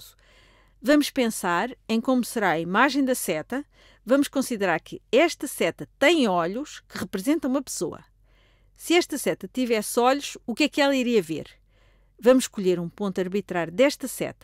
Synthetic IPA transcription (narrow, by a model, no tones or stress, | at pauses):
zu̥ | vɐmuʃpẽsaɾɐ̃j̃komusɨɾaɐimaʒɐ̃j̃d̪ɐsɛt̪ɐ | vɐmuʃkõsiðɨɾaɾkʰɨɛʃt̪ɐsɛt̪ɐt̪ɐ̃j̃ɔʎuʃkɨʁɨpɾɨzẽnt̪ɐ̃umɐpɨ̥soɐ̰ | sɨɛʃt̪ɐsɛt̪ɐt̪ivɛsɔʎuʃukɛkɛlˠɐiɾiɐvḛɾ | vɐmuʃːkuʎeɾũpõnt̪ɐɾβit̪ɾaɾjud̪ɛʃt̪ɐsɛ̰t̪ɐ̥